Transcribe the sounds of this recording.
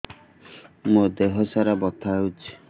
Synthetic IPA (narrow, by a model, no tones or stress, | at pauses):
mod̪eɦɔsaɾabɔt̪ʰaɦut͡ʃʰi̥